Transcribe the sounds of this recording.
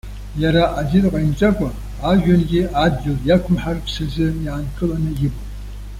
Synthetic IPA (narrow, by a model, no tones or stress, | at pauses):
jaɾaʔazɪrqʷʼaimt͡sʼakʷʼa | aʒᶣanɡʲɪadɡʲɪljakʷʰʊmħarpʰsazɨjankʰʼɨlanɨjɪbʼo